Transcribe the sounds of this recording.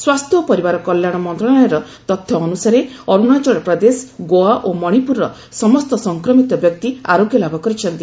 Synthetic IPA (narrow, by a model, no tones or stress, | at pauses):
swast̪ʰjɔpɔɾibaɾɔkɔljaɽ̃ɔmɔnt̪ɾɔɽɔjɔɾɔt̪ɔt̪ʰjɔːnusaɾeɔɾuɽ̃at͡ʃɔɽɔpɾɔd̪esɡoaʔomɔɽ̃ipuɾɔ | sɔmɔst̪ɔsɔŋkɾɔmit̪ɔbjɔk̚t̪ia̰ɾoɡjɔlabʱɔkɔɾit͡ʃʰɔnt̪i